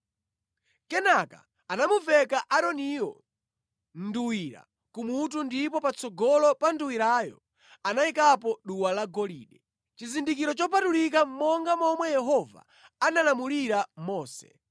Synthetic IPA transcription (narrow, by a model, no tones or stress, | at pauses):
kɛnaka̰ | anamuvɛkaʔaɾɔniɔ̰ | nduwiɾa̰ | kumut̬undipɔpat͡sɔɡɔlɔpanduwiɾaːjɔ̰ | anaikapɔɗuwalaɡɔliːɗɛ | t͡ʃizindikiɾɔt͡ʃɔpʰatulik̬ammɔŋɡamɔmwɛjɛɦɔva̰ | analamuliɾamɔːsɛ̥̰